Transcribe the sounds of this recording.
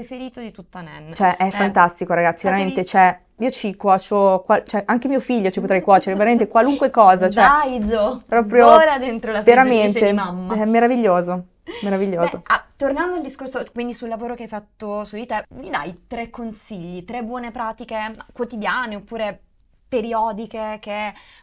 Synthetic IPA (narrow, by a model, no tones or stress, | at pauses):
pɾefeɾiːt̪od̪it̪ut̪ːanɛ̰nt͡ʃoɛʔɛffant̪ast̪ikoɾaɡat̪sːiveɾament̪et͡ʃoɛ | iːot͡ʃikwɔːt͡ʃokwat͡ʃoɛʔaŋk̟emiːofiʎːot͡ʃipot̪ɾɛjkwɔːt͡ʃeɾeveɾament̪ekwaluŋkwekɔːzat͡ʃooɛajd͡ʒopɾɔːpɾjoolad̪ent̪ɾolaveɾament̪emamːɛmːeɾaviʎːoːzo | meɾaviʎːoːzoat̪ːornand̪oild̪iskorsokwind̪isulːavoːɾokeajfat̪ːosuit̪oɛvid̪a̰jt̪ɾekːonsiʎːit̪ɾebːwɔːnepɾaːt̪ikemakwot̪id̪jaːneopːuːɾe | peɾiɔːd̪ikeke